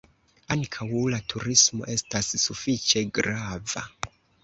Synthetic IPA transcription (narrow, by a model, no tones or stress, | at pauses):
aŋkʰawlatʰuɾismo̞̰ʔe̞stasːufit͡ʃe̞ɡɾava̰